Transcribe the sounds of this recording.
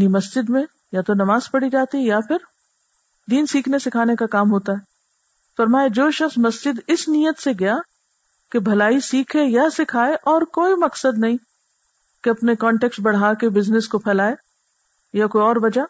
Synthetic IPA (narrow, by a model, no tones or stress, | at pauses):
nimɐsd͡ʒɪd̪mẽ | jat̪onɐmaːzpɐɽid͡ʒaːt̪iɦɛjapʰɪɾ | d̪iːnsiːkʰnesɪkʰaːnekakaːmɦoːt̪aɦɛː | fɐɾmaːjad͡ʒoːʃɐxsmɐsd͡ʒɪd̪ɪsniːjət̪seɡɐja | kebʱɐlaːisiːkʰejasɪkʰaːeʔɔːɾkoːimɐksəd̪nɐɦĩː | keɐpnekɔːɳʈɛːksbɐɽ̤aːkebɪznɪskopʰɛːlaːe | jakoːiɔːɾʋɐd͡ʒa